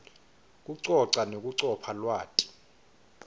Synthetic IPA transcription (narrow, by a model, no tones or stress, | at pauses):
k̬ʼuǀɔǀanok̬ʼuǀɔpʰalwaːtʼi̥